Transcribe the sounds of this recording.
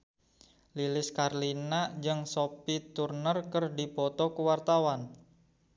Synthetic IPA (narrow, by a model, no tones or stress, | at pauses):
lilɪskarlinad͡ʒɨŋsopit̪urnərkərdipɔt̪ɔkuwart̪awan